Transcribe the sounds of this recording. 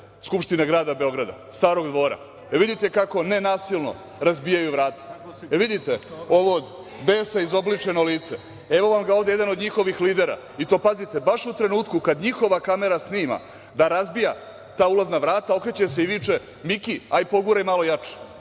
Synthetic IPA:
skupʃt̪inaɡɾaːd̪abe̞o̞ɡɾad̪a̰ | st̪aːɾo̞ɡd̪ʋo̞ːɾa̰ | ʋid̪it̪e̞kako̞ne̞naːsilˠno̞̰ | ɾazbijajuʋɾaːt̪e̥ʋid̪it̪e̞o̞ʋood̪ | beːsaizo̞blit͡ʂeno̞liːt̪se | e̞ʋo̞ʋamɡaoːʋd̪eed̪ano̞d̪ɲixo̞ʋixliːd̪eɾa̰ | it̪o̞ːpazit̪e̞baʃut̪ɾe̞nuːt̪kukad̪ɲixo̞ʋakame̞ɾasniːma̰ | d̪aɾazbija | t̪aːulaznaʋɾaːt̪ao̞kɾet͡ɕaseiʋit͡ʂe̞ | mikiaipo̞ɡuɾaimalo̞jat͡ʂe̥

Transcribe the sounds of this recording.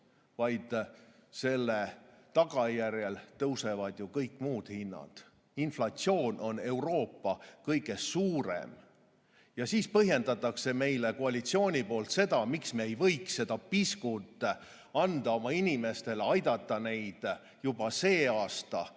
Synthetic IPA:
vɑjd̪̥se̞lːe̞t̪ɑɡ̥ɑjærjelt̪ɤwse̞vɑd̪̥jukɤjkːˑmuːd̪̥hinːɑ̰d̪̥ | inflɑt̪sio̞ːno̞ne̞uwɾo̞ːpːɑkɤjɡ̥e̞suːɾe̞̰m | jɑsiːspɤɦje̞nd̪̥ɑt̪ːˑɑkse̞me̞jle̞koɑlʲit̪sio̞ːnʲipo̞ːlt̪se̞d̪ɑmiksmeejvɤ̞jksse̞d̪̥ɑpiskut̪ˑ | ɑnd̪̥ɑomɑinʲime̞st̪e̞leɑjd̪̥ɑt̪ːˑɑne̞jd̪̥ | jub̥ɑse̞ːɑːst̪ɑ̰

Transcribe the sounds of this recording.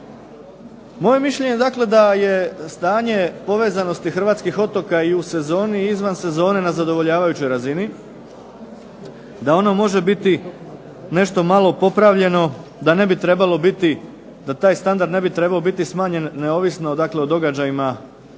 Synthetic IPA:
mo̞je̞miʃʎeɲed̪akle̞d̪aje̞st̪aːɲe̞po̞ʋeːzano̞st̪ixr̩ʋaːt̪skixo̞t̪o̞kaiuse̞zo̞ːniizʋanse̞zo̞ːne̞nazad̪o̞ʋo̞ʎaːʋajut͡ɕo̞jɾazini | d̪ao̞no̞mo̞ʒe̞bit̪i | ne̞ʃt̪o̞malˠo̞po̞pɾaʋʎe̞no̞d̪ane̞bit̪ɾe̞balo̞bit̪i | d̪at̪aːjst̪and̪aɾd̪ne̞bit̪ɾe̞baobit̪ismaːɲe̞nːe̞o̞ːʋisno̞d̪akle̞od̪o̞ɡad͡ʑajima

